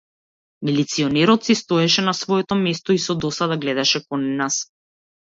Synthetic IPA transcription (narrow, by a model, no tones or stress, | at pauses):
milit̪siɔnɛɾɔt̪sist̪ɔɛʃɛnasvɔɛt̪ɔmɛst̪ɔisɔd̪ɔsad̪aɡlɛd̪aʃɛkɔnɛnas